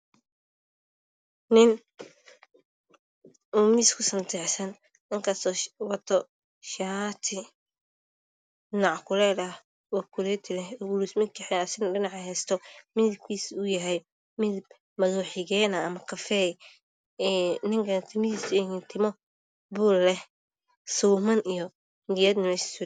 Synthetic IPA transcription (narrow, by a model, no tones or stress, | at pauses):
nɪn | umiːskʰʊsɐnt̪ʰɛħsɐn | ɪŋkʰɐst̪ɔwɐt̪ʰɔ | ʃat̪ʰɪ | nɑʕkʰʊlɛd̪ɐh | wɑkʰʊlɛt̪ʰɪlɛɡʊlusmɪkʰɪħɛɐsɪnɖɪnɑʕɐɦɛːst̪ʰɔmɪðɪb̚kʰiːsʊjɐɦɛj | mɪðɪb | mɐðuːħɪɣɛːnɐːmɐkʰɐfɛj | ɛnɪŋkʰɐnt̪ʰɪmɪiːsʊɛŋint̪ʰɪmɔ | bʊːllɛh | suːmɐnijɔ | ŋɡɪjɛd̪nɐmɛːʃi̥sʊ